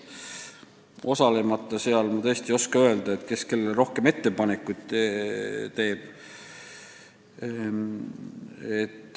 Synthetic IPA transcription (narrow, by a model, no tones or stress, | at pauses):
ʔo̞sɑle̞mɑt̪ˑːɑse̞ɑlmɑt̪ɤ̞ːsʲt̪io̞skɑøe̞ld̪̥ɑet̪ːke̞ske̞lːeɾohke̞me̞t̪ːe̞pɑnekːˑud̪̥ | t̪e̞ːb̥ | et̪ː